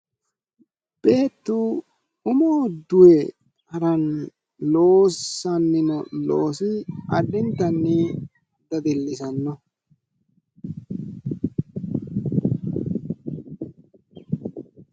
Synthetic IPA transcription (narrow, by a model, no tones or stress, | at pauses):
b̥e̞ːt̪ːu | ʊmoːd̪ʊwɛ | ɐɾɐn | lo̞ːsɐnːɪnɔloːsɪɐdːɪnt̪ːɐnːɪ | d̪ɐd̪ɪlːɪsɐnːɔ